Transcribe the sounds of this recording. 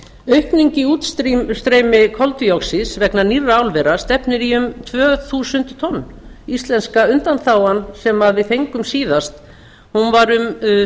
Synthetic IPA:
œɥhpniɲcɪuːt̪st̪ɾist̪ɾeːjmɪkʰɔlt̪ʏjɔksɪsvɛknanirːaaːwlvɛɾast̪ɛpnɪɾiʏmt̪ʰvœːθuːsʏnt̪t̪ʰɔnːist̪lɛnskaʏnt̪anθaːwansɛmaðvɪðθejŋkʏmsiːðast̪ | hunvaɾʏm

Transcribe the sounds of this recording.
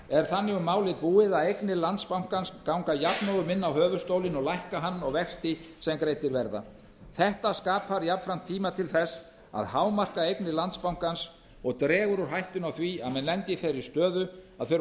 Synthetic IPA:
ɛɾ̥θanːɪɣʏmːaːwlɪðpuːɪðaejknɪlant̪spawŋ̥kanskawŋkajapnowɣʏmɪnːawɦœːvʏst̪owlɪnɔɣlajhkaɦanːɔɣvɛxst̪ɪ | sɛmkɾejt̪ɪɾvɛɾða̰ | θɛht̪askaːpaɾjapfɾam̥t̪ʰːiːmat̪ʰɪlθɛs | a̰ðhaːwmar̥kaejknɪlant̪spawŋ̥kans | ɔɣt̪ɾɛːɣʏɾʏɾ̥ɦajht̪ʏnawθviaðmɛnlɛnt̪ɪθejɾist̪œːðʏaðθœɾ

